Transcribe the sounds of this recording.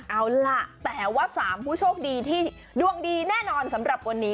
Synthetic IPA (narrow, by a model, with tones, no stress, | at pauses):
ʔa˨˦˩wla˦˥ʔt̪ɛː˨˩waː˥˩saː˩˦mpʰuː˥˩t͡ɕʰoː˥˩k̚diː˧t̪ʰiː˥˩ | du˧əŋdiː˧nɛː˥˩nɔː˧nsa˩˦mɾa˨˩p̚ka˧nːiː˦˥